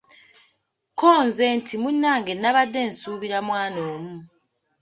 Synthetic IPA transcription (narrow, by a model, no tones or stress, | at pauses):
koːnze̞ntʰimunːaːŋɡe̞nːaβadːe̞ːnsuːβiɾamwaːnoːmu